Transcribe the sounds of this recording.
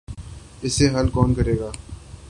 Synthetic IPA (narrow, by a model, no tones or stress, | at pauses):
ɪseɦɐlkɔːnkɐɾeːɡaː